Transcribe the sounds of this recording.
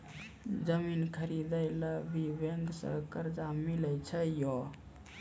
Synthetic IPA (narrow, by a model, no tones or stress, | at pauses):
d͡ʒəminkʰəɾid̪əjləbibeŋɡsə̰kəɾd͡ʒamiləjt͡ʃʰəjo